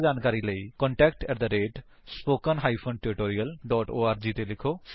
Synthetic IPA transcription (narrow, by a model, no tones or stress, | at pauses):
d͡ʒaːnkaːɾiːləiːkɔ̃ɳʈɛːkʈɛːʈd̪əɾeːʈ | spoːkənɦaːipʰənʈeɾɪʈoːɾijəlɖɔːʈoːaːɾd͡ʒiːt̪elɪkʰoː